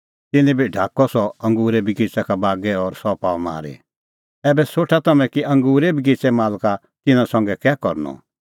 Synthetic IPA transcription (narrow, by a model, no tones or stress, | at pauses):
t̪ɪnɛ̃biɖʱaːkːɔsɔɐ̃ŋɡuːɾɛbʱikɪt͡sakabaːɡɛɔɾsɔpaːma̰ːɾḛ | ɛːbɛsoːʈʰat̪ɐmɛ̃kiʔɐ̃ŋɡuːɾebʱik̬ɪt͡sɛmaːlka | t̪ɪnãsɔ̃ŋɡɛkɛːkɔɾnɔ̰